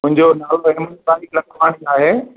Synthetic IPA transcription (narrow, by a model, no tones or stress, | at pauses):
mʊ̃ɦɪ̃ɲd͡ʑonaːloeːmənpaːɾiklɐ̃kʰpaːɽ̃iaːɦeː